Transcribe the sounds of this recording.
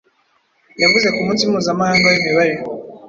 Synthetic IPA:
javuzekumunsimuzamahaŋɡoiniβaɾi

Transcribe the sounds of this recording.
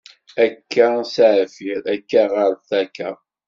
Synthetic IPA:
ækːæsaʕfiɾækːæʁəɾθækːæ

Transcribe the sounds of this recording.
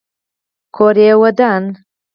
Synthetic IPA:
kʰoɾewɐd̪an

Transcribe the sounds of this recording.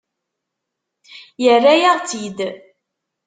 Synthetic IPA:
jərːæjaʁt͡sid̪

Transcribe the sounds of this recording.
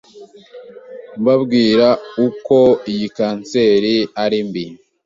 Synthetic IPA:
mbabɡiːɾauko̞ijikaːnseɾiaɾimbi

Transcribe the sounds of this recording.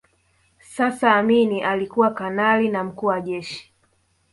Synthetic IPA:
sasaːminiʔalikuwakanalinam̩kuːwaʄɛʃi̥

